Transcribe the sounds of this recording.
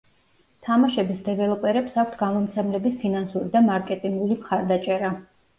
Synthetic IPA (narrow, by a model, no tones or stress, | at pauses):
t̪ʰamaʃɛbisd̪ɛvɛlˠɔpʼɛɾɛpsak̚ʷʰt̪ʰɡamɔmt̪sʰɛmlɛbispʰinansuɾid̪amaɾkʼɛt̪ʼiŋɡulimχaɾd̪at͡ʃʼɛɾa